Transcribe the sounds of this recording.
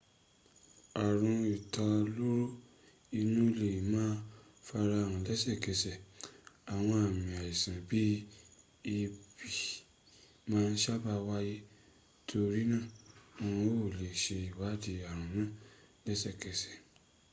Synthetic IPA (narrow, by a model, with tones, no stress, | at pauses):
a˨ɾ̃ũ˧i˨ta˧lo˦ɾo˦ | i˧nũ˦˨le˨ji˨mãː˦ | fa˧ɾa˧a˨ɾ̃ɔ̃˧lɛ˦sɛ˦˨kɛ˧sɛ˨a˨w̃ɔ̃˧a˨mĩ˨a˨ji˨sã˨bi˨˦ | i˧bi˨ | mãː˦n̩˦ʃa˦ba˧wa˦je˦ | tʰo˧ɾi˦nã˦˨õ˧ũ˧˦o˦˨le˨ʃe˧i˨wa˨˦di˧a˨ɾ̃ũ˨nãː˦˨lɛ˦sɛ˦˨kɛ˨˧sɛ̥˨